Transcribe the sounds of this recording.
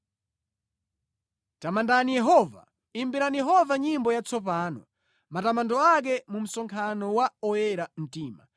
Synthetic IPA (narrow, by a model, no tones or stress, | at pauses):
tamandanijɛɦɔva̰ | imbiɾanijɛɦɔvaɲimbɔjat͡sɔp̬aːnɔ | matamandɔak̬ɛmum̩sɔŋkʰanɔwaɔjɛɾam̩tiːma